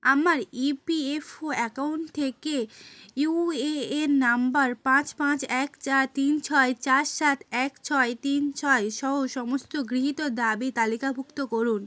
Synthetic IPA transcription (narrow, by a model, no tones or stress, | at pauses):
amaɾipiefoɛkaunʈt̪ʰekeueeɾnambaɾpãt͡ɕpãt͡ɕɛkt͡ɕaɾt̪int͡ɕʰɔet͡ɕaɾʃat̪ʰɛkt͡ɕʰɔet̪int͡ɕʰɔeʃɔɦoʃɔmost̪oɡɾiɦit̪od̪abit̪alikabʱukt̪okoɾun